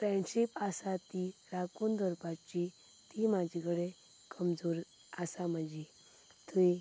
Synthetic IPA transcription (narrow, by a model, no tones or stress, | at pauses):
pɾɛ̃ɳɕipasat̪iɾakund̪ʱɔɾpat͡ɕi | t̪imad͡ʑʱikɽe | kəmd͡zoɾ | asaməd͡ʑʱi | t̪ui